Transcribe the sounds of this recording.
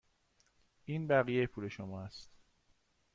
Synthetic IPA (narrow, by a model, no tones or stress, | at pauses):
ʔiːnbæɣijejepʰuːle̞ʃomɒːæst̪